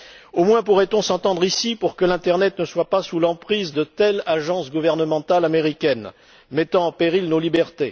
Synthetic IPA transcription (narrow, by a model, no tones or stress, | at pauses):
omwɛ̃puʁɛt̪ɔ̃sɑ̃t̪ɑ̃d̪ʁisipuʁkəlɛ̃t̪ɛʁnɛt̪nəswapasulɑ̃pχizd̪ət̪ɛlaʒɑ̃sɡuvɛʁnəmɑ̃t̪alameʁikʲɛn | mɛt̪ɑ̃ɑ̃peʁilnolibɛʁt̪e